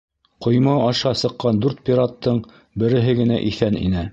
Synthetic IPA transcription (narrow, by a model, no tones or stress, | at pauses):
qŏjmɑɑʃɑsɤ̆qːɑnd̪ʉɾt̪̚pʲiɾat̪ːɤɴ | bɘ̆ɾɘ̆ɦɘɡɘ̆næ̰ʔiθænḭnɘ